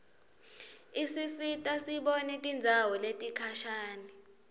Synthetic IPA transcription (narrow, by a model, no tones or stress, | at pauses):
isisitʼasiɓonitʼind͡zʱawɔletʼikʰaʃaːni